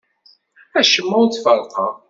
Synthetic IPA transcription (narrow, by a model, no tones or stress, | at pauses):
æʃəmːæwt͡sːfəɾˤqɑ̰